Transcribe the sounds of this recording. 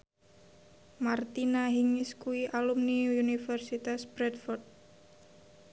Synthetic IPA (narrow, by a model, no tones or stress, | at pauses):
mart̪inaɦiŋiskuiʔalumniunifɛrsit̪asbɾɛt̪fɔrt̪̚